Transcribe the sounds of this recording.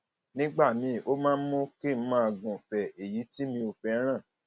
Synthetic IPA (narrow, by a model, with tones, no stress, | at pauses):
nĩ˦ɡ͡ba˦˨mĩ˧o˦mãː˦n̩˦mõ˦ke˦˨˦mã˦a˧˨ɡũ˨fɛ˨e˨ji˨˦ti˦mĩ˧o˨fɛ˧˦ɾ̃ã˦˨